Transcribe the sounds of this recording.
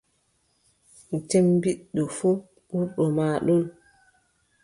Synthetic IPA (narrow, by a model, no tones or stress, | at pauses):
tɛmbiɗːɔfu | ɓuɗɔmaːɗɔl